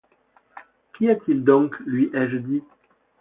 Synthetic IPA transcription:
kʲiat̪ild̪ɔ̃ŋklɥiʔɛʒəd̪i

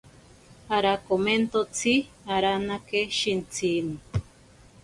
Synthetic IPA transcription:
aɾakoment̪ot͡sʰi | aɾanakeʃint͡sʰini

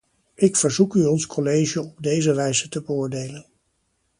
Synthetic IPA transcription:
ɪkfəɹzukyɔnskʰɔlejʒəɔb̚dejzəʋɛjzətəbəʊːɹdejlən

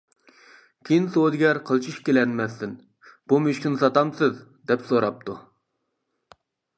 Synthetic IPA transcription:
kʲʰejinsod̪ɪɡʲɛɾqʰəlˠt͡ʃʰiʃkʲelɛnmɛsːɪn | b̥umyʃkʲinɨsɑt̪ɑmsɨz | d̪ɛpsoɾɑp̚t̪ʰu

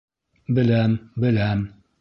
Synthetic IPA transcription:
bɘlæmbɘlæm

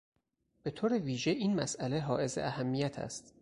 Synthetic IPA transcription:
b̥e̞t̪ʰoːɾeviːʒe̞ʔiːnmæsʔæle̞ɦɒːʔe̞zḛʔæhæmːijæt̪ʰæ̰st̪

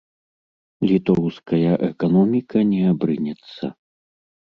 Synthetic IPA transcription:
lʲit̪ɔɾuwskɐjɐʔɛkanɔmʲikʰɐnʲɛabɾɨnʲɛt̪sːɐ̰

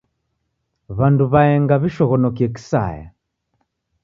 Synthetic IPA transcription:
βanduβaɛŋɡaβiʃɔɣɔnɔkiɛki̥sa̰ja̰

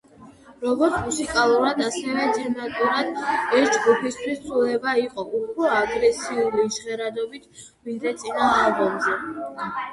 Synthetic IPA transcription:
ɾɔɡɔɾt̪sʰmusikʼalˠuɾad̪asɛvɛd͡ʒɛnat̪ʼuɾad̪ɛɾd͡ʒɡupʰist̪ʰwist̪sʰʼulɛbaiqʼɔʔupʰɾɔaɡɾɛsiuliʃʁɛɾad̪ɔbit̪ʰ | vind̪ɾɛt̪sʼinaːlˠbɔmzɛ

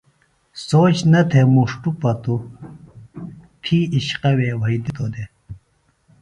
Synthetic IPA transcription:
soːt͡ɕnɐt̪ʰemuʂʈupɐt̪u | t̪ʰiiɕqɐweːwɐid̪it̪od̪e

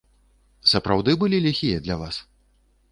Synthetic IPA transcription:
sɐpɾawd̪ɨbɨlʲilʲaxʲijɐd̪lʲavas

